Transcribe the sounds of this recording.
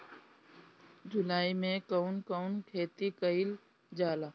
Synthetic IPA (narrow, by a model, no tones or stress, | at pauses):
d͡ʒʊlaːimẽkəʊnkəʊnkʰeːt̪ikəɪl | d͡ʒaːlaː